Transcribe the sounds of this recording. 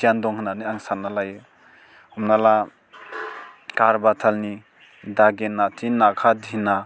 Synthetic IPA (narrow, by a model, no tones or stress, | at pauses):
ijandɔŋhɯnaniaŋsanːalaj | humnala | kaɾbatʰalni | daɡenːatʰinːakʰadina